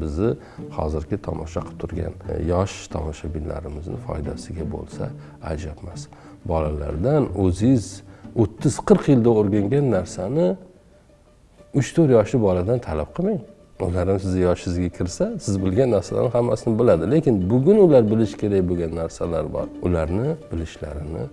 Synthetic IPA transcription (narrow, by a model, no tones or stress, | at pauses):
bɪzɪ | hɒ̰zɪɾkʲʰɪt̪ʰɒ̰mɒʃaqʰɨ̥p̚t̪ʰʊɾɡʲa̰njɒʃt̪ʰɒ̰mɒʃabɪlːa̰ɾɪmɪznɪ̰fɒ̰jd̪asɪɡʲabo̰lˠsa̰ | a̰d͡ʒapmas | bɒlala̰ɾd̪anɵzɪɪzot̪ʰːɪz̥qʰɨɾqʰjɪld̪aoɾɡʲaŋɡʲanːaɾsanɪ | ʊt͡ʃt̪ʰɵɾjɒʃlɪbɒlad̪ant̪ʰalap̚qʰɨmaŋ | ʊlaɾamsɪzajɒʃɪzɡʲakʲʰɪɾsasɪzbɪlɡʲanːaɾsala̰ɾnɪhamːa̰sɪnɪbɪlad̪ɪlekʲɪnbʊɡʲʊnʊlaɾbɪlɪʃkʲʰe̞ɾakboɡʲanːaɾsalaɾbɒ̰ɾʊlaɾnɪbɪlɪʃla̰ɾɪnɪ̰